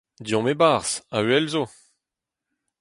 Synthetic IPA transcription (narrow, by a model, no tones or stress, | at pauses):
d̪jɔ̃mebaʁsaɥɛlzo